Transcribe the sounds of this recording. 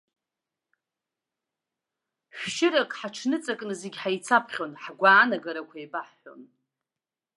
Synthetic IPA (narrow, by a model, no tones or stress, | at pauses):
ɕʷᶣʃɪɾakʼħaʈ͡ʂʰnɨt͡sʼakʼnɨzeɡʲħajt͡sʰapʰχʲo̞nħɡʷaːnaɡaɾakʷʰaebʼaħːo̞̰n